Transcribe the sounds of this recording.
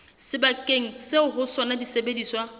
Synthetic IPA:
sɪbakʼeŋ̩sɪʊɦʊsɔnadisebediːswa

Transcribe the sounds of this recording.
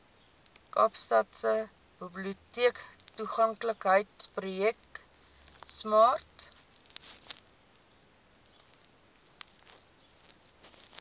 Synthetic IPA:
kɑːpstɑtsə | b̥ibliutiəktuχɐŋkləkɦəjtsprujɛk̚ | smɑːrt

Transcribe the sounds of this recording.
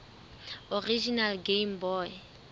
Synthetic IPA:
orid͡ʒinalɡeimbɔːɪ

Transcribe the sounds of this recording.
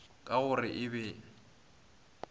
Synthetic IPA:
kʼaʊrɪʔɪβɛ

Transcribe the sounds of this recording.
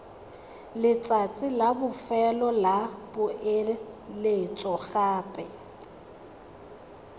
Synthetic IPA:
lɪt͡sʼat͡sʼɪlabʊfɛlɔlabʊʔelet͡sʼɔɣaːpʼɛ

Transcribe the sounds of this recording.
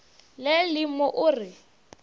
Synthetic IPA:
lelɪmɔʔʊːrɪ

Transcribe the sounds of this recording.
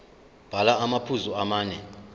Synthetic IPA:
b̥ʱalaamapʰuzuamaːnɛ

